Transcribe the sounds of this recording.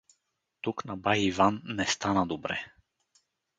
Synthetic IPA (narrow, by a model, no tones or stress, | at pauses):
t̪uknabaivanːɛst̪anad̪ubɾɛ̰